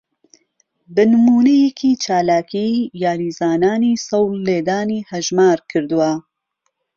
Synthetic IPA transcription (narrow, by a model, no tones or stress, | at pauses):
bɨnɨmuːnejɛkʰit͡ʃʰaːlaːkʰijaːɾiːzaːnaːniːsɐwlːeːd̪aːniːhɐʒmaːɾkʰɨɾd̪ɨwa